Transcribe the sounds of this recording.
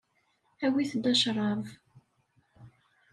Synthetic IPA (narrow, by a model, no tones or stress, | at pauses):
æwiθd̪ɑʃɾˤɑv